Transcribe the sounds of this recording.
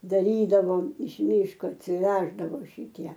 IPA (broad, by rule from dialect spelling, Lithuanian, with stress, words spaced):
dɐˈrʲiːdɐʋoːm ɪʃ ˈmʲiːʃkoː ɐtʲsʲɪˈʋʲæːʒdɐʋoː ʃʲɪˈtʲiɛ